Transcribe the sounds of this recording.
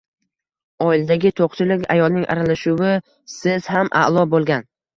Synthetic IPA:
ɒɪlad̪aɡʲɪt̪ʰoqt͡ʃʰɪlɪkʲa̰jɒlˠnɪŋʔa̰ɾalaʃʊwɪ | sɪz̥hamʔa̰ʔlˠɒbolˠɡʲan

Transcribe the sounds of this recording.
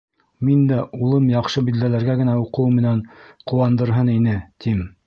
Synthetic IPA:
mind̪æulˠɤmjɑqʃɤbild̪ælæɾɡæɡɘ̆næuqɤwmɘ̆næɴqŭwɑnd̪ɤ̆ɾɦɤninɘt̪im

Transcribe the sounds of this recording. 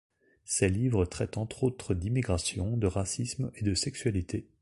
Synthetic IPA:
sɛlivʁət̪χɛt̪ɑ̃t̪χot̪χəd̪imiɡʁasjɔ̃d̪əʁasismed̪əsɛksɥalit̪ʰe

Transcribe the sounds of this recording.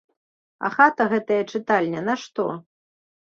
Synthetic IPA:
ɐ̰xat̪ɐɣɛt̪ɐjɐt͡ʂɨt̪alʲnʲɛnɐʂt̪ɔ

